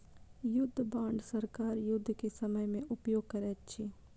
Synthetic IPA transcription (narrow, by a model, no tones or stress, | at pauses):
jʊd̪ʱːbãːɳɖʱsɐɾkaːɾjʊd̪ʱːkesɐməjmẽʔʊpjoːɡ̚kɐɾɛːt̪t͡ʃʰiː